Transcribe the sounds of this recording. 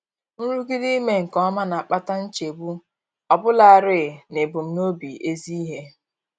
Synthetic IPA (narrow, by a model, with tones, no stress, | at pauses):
n̩˦ɾu˦ɡi˦di˦me˦ŋ̩˨kɔ˦ma˦na˨a˨k͡pa˦ta˦n̩˦t͡ʃe˨bu˦ | ɔ˨bʊ˦la˨a˨ɾɪ˦˨ne˨bʊ˨m̩˨no˦bi˨e˦zi˦i˦ɦe˦